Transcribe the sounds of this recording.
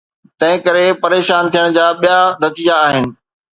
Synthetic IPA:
t̪ɐ̃ɦɪ̃kɐɾepɐɾeːʃaːnt̪ʰijəɽ̃d͡ʑaːɓijanɐt̪iːjaːɦɪnɪ̆

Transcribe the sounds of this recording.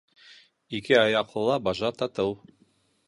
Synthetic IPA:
ikɘɑjɑqlˠɤ̆lˠɑbɑʒɑt̪ɑt̪ɤw

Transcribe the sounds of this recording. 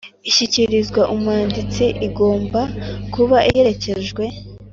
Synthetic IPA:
içiciɾizɡwaʔumwaːndit͡siʔiɡo̞ːmbakuβaʔije̞ece̞ʒɡwe̞

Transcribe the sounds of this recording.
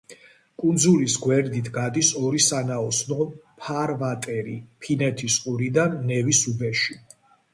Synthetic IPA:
kʼund̪zulisɡwɛɾd̪it̪ʰɡad̪isɔɾisanaɔsnɔpʰaɾvat̪ʼɛɾḭpʰinɛt̪ʰisqʼuɾid̪anːɛvisubɛʃi

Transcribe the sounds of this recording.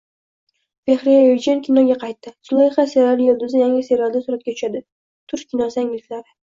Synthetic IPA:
veχɾijɪd͡ʒankʲʰɪnɒɡʲaqʰɑjt̪ːɪsʊlˠɒjχaseɾɒlɪjold̪ʊzɪjaŋʲɪseɾɒlˠd̪asuɾat̪̚kʲat̪ʰʊ̥ʃad̪ɪ | t̪ʰʊɾʃkʲʰːɪnɒsɪaŋʲɪlɪflaɾɪ

